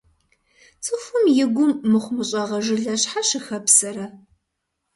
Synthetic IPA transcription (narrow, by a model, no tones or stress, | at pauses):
t͡sʰʼɨfʷʊmjɪɡʷʊmːɨχʷʊmɨɕʼɐʁɐʒɪɮɐɕħaʃɪxɐpsɐɾɐ